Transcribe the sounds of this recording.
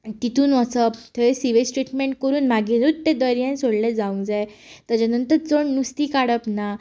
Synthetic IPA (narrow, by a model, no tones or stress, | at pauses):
t̪it̪uːnət͡səpt̪ʰəesiʋesʈɾiʈmẽɳʈ̚kəɾuːnmaɡĩɾut̪t̪ẽd̪əjɾjãnsoɽled͡zaũŋd͡zaj | t̪at͡ɕanənt̪əɾt͡səɳnust̪iːkaɽəpna